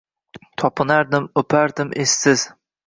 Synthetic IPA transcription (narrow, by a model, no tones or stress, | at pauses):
t̪ʰɒpʰɪnaɾd̪ɪmɵpʰaɾd̪ɪmʔesːɪz̥